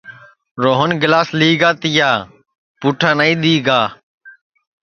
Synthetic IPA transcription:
ɾoːɦənɡɪlaːsliːɡaːt̪ɪjaː | puːʈʰãːnəiːɗ̪iːɡaː

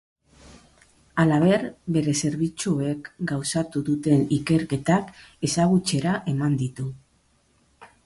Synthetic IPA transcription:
alaβ̞e̞ɾbe̞ɾe̞se̞ɾβit͡sue̞kɡawsat̪uðut̪e̞nike̞ɾke̞t̪ake̞saɣ̞ut͡se̞ɾaʔe̞mand̪it̪u

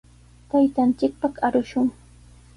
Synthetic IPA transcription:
t̪ajt̪ant͡ʃɪk̚paχaɾʊʃʊŋ

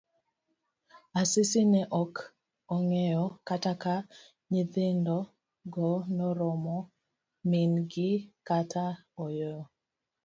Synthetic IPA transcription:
asɪsinɛʔɔk | ɔŋɛjɔkataka | ɲiðɪndɔ | ɡɔnɔɾɔmɔ | minɡɪkatʰaɔjɔ

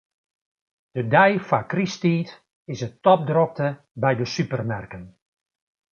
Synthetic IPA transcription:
d̥ədɛjfakristiːt | ɪsətɔp̚drop̚tə | bɛjdəsypərmɛrkən

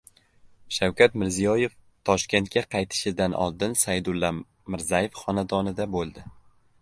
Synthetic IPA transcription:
ʃawkʲat̪mɪɾzijɒje̞f | t̪ʰɒʃkʲe̞nt̪̚kʲaqʰɑjt̪ʰɪ̥ʃɪd̪anʔɒ̰lˠd̪ɪnsajd̪ʊlˠːa | mɪɾzaje̞fχɒnad̪ɒnɪd̪abolˠd̪ɪ

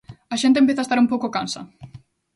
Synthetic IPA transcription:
ɐʃẽnt̪empjeθaest̪aɾũmpowkʊkansɐ̰

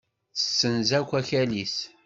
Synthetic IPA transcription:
θə̥sːənzækʷːæçælis

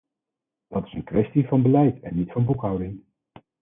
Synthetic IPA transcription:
d̥ɑtɪ̥sənkʋɛstivɑnbəlɛjtɛ̰nːitfɑnbukɦʌwdɪŋ

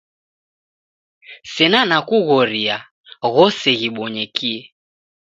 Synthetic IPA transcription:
sɛnanakuɣɔɾia | ɣɔsɛɣiɓɔɲɛkiɛ

